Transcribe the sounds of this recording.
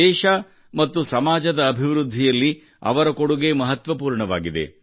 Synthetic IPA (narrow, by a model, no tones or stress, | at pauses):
ɛːʃɐ | mɐt̪ːusɐmaːd͡ʒɐd̪ɐːbʱiʋɾud̪ʱːijɐlːi | ɐ̰ʋɐɾɐkoɽuɡe̞mɐɦɐt̪ʋɐpuːɾɳɐʋaːɡid̪e̞̰